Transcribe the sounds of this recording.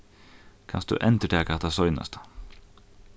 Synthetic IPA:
kʰɑ̰nsd̪ʉ̰ːʔɛnt̪əʈʰeːkɑt̪ɑsɔʏnɑ̰st̪ə̥

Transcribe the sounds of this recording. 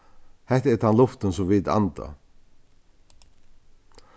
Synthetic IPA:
hɛht̪ɛɾt̪ʰanlʊft̪ənsɔmviːt̪a̰nt̪a̰

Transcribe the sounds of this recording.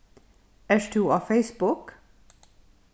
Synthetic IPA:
æʃʈʰuːɑːfeɪsbʊk

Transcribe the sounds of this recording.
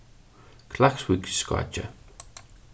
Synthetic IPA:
kʰlakswikskwa̰t͡ʃə̰

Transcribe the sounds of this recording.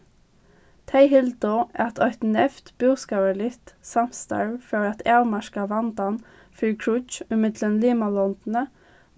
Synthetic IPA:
t̪ʰeɪhɪld̪ʊʔæt̪ʰœʏt̪n̩ɛft̪b̥ʉːskɑʋəɭɪt̪sɑmst̪ɑ̰ɹføːɾɑt̪ʰɑːlmɑʃkɑʋɑnd̪ɑn | fʏlkʰɹʊt͡ʃɪmɪd̪lənliːmɑlɔnd̪n̩ə

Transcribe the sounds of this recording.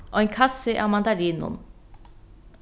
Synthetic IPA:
ɔjnkʰasːeʔamand̪aɾinṵn

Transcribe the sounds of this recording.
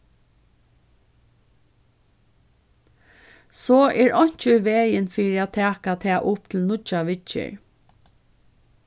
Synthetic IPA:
sɔːʔɛːɹʔɔɲ̥t͡ʃəʋeːjənfiːɹɪat̪ʰæːkat̪ʰɛːʔʊp̚t̪ʰɪlnʊt͡ʃaʋɪt͡ʃɪ̰ɹ

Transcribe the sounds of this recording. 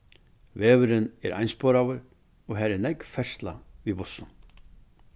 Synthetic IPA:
vɛːvʏɾɪnɛ̰ɾʔa̰jnspɔːɾavʏɾ | ɔɣɦaːɾɛɾnɛjkfɛsst̪la̰vibʊsːʏn

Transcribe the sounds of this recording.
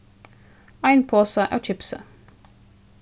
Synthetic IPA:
ɑɪnpʰoːsəʔæ̰ːt͡ʃʰɪpsə̰

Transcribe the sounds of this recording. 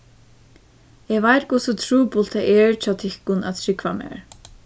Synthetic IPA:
ɛɣvajt̪kʊsʊt̪ʰɾuːpʊl̥t̪aʔɛɹt͡ɕʰaːwt̪ʰɪhkʊna̰ðt̪ʰɾɪkvamɛ̰ɹ

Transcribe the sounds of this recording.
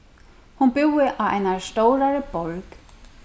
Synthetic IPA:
hunbuwɪʔawa̰jnast̪owɾaɾəbolk

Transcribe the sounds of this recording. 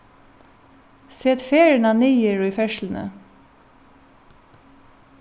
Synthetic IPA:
seːt̪feːɹəɳɑniəɹiːfɛʃlnə̰

